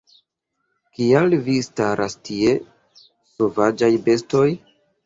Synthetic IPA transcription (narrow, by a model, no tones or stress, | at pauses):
kialvistaɾʔastʰie̞ | so̞vad͡ʒajbe̞sto̞j